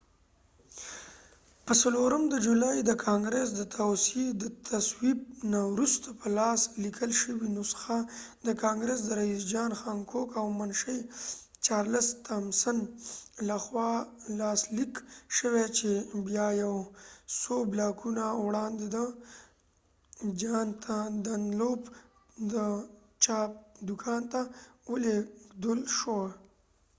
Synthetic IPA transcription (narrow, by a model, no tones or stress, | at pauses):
pəsaloɾəmd̪əd͡ʒulajd̪əkʰɑŋɡɾes̬d̪ət̪ʰawsid̪ət̪ʰaswib̚nawɾust̪ʰḁpʰəlɑslikʰəlʃəwinosə̥xad̪əkɑŋɡɾes̬d̪əɾaizd͡ʒɑnxɑŋkʰokawmənʃəj | t͡ʃɑɾləst̪amsənlaxwɑlɑːslikʃəwet͡ʃebjɑjawsoblɑkʰunawɽɑnd̪ed̪ə | d͡ʒɑnt̪ʰad̪anlob | d̪ə | t͡ʃɑp̚d̪ʊkʰɑnt̪awəleɡd̪əlʃowa